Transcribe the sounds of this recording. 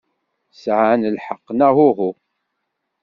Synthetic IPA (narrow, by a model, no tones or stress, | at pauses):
sʕnəlħəqːnæhʊɦu